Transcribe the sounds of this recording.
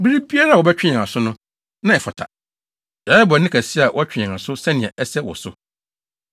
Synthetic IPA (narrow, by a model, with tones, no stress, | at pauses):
bi˦ɾi˦bi˦a˦ɾa˦˨wɔ˨bɛ˦t͡ɕᶣɪ̃˦ã˨a˨sʊ˦nʊ̃˦ | nã˦˨ɛ˨fɔ˨tʰa̰˨ | da˨˦ɛ˦bɔ˨nɪ̃˦kʰæ˨si˦a˨wʔɔ˦æ˦t͡ɕᶣɪ̃˨ã˨a˨sʊ˦sɛ̃˦nɪ̃˨ɛ̃˨ʔɛ˦sɛ˦wɔ̰˨sʊ˦